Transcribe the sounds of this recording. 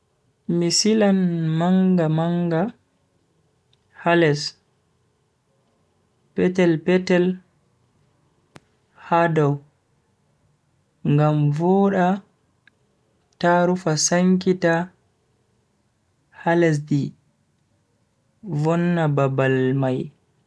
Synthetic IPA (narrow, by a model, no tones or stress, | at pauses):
misilanmaŋɡamaŋɡa | halɛs | pɛtɛlpɛtɛl | hadɔw | ŋɡamvɔːɗa | taɾufasaŋkita | halɛs̬di | vɔnːababalmaj